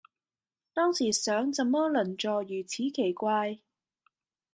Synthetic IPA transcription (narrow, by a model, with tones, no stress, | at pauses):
t̪ɔː˥ŋsiː˨˩sœː˨˥ŋt͡sɐ˨mːɔː˥lɐ˨˩nt͡ʃɔː˨jyː˨˩t͡sʰiː˨˥kʰe˨˩jkʷaː˧j